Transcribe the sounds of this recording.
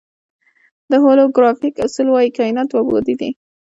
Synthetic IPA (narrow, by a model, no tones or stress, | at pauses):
d̪əɦoloɡɾɑfikasəlwɑjikainat̪wabo̰d̪id̪ḭ